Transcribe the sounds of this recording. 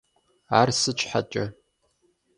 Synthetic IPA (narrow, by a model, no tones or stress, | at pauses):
aːrsɨt͡ʃʷʰʼħat͡ʃʼɐ